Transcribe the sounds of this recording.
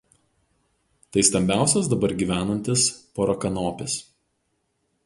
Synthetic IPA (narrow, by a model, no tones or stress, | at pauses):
t̪ɐɪst̪ɐmʲbʲæˑʊsʲozd̪ɐbɐɾɡʲiːʋʲæːnɐnʲt̪ʲɪspɔɾɐkɐnoːpʲɪs